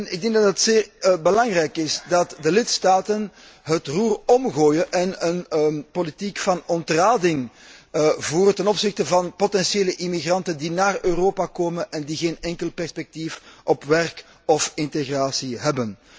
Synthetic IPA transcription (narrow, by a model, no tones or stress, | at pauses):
nɪɡ̚dɛŋɡdɑtətseːrbəlɑŋrɛjkɪsdɑtdəlɪtstaːtən | ɦətruːrɔmɣoːjəʔɛnənpolitikfɑnɔntraːdɪŋ | vuːɾətɛnɔpsɪxtəvɑnpotɛnsjeːləʔimiɣrɑntəndinaːrøːroːpakoːmənʔɛndiɣeːnɛŋkəlˠpɛrspɛk̚tifʔɔpʋɛrk | ɔfɪnteɣraːsiɦɛbən